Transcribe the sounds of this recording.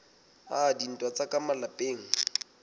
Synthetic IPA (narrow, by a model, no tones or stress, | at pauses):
adin̩tʼwat͡sakʼamalapʼeːŋ̩